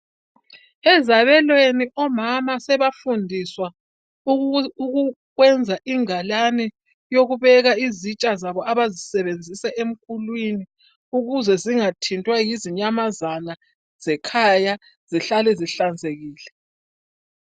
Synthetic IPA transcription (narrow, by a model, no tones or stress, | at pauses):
ɛzaβɛlweniʔɔmamasɛβafundʱiswa | uɣu | ɣwɛnd͡zʱaʔiŋalanɛ | joɣuβɛɣaizit͡ʃʼazaβɔaβazisɛβend͡zʱisɛʔem̩kʰulwini | uɣuzɛziŋatʰintʼwajiziɲamazana | z̥ɛkʰaja | z̥iɬalɛziɬand͡zʱeɣiːlɛ